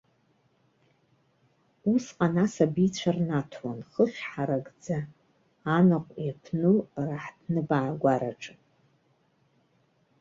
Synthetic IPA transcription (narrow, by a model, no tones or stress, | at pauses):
usqʼanasabit͡sʷʰarnatʰwanχəʃħaɾaɡʼd͡zaː | nɨqʷʼjapʰnɨlraħdnɨbaʕɡʷaɾa̰ʈ͡ʂʼɨpʼ